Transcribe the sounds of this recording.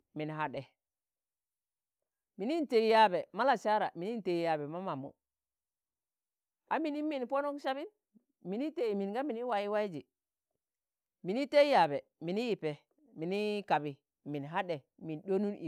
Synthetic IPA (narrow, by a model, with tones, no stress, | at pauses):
mi˨nɦa˨ɗe˨ | mi˨ni˦n˨te˨i˦ja˨be˨ma˦la˨t͡ʃa˦ɾa˨mi˨ni˦˨te˨i˨ja˨be˨ma˦ma˨mṵ˨ | a˦mi˨ni˦mi˨n˨po˦no˦kʃa˦bi˦n | mi˨ni˦te˨i˨mi˨nɡa˦mi˨ni˦wa˨ji˦wa˦i˦d͡ʒi˨ | mi˨ni˦te˦ja˨be˨mi˨ni˦ji˨pe˨ | mi˨ni˦ka˨bi˨ | mi˨nɦa˦ɗe˨ | mi˨nɗo˦nu˦ni˨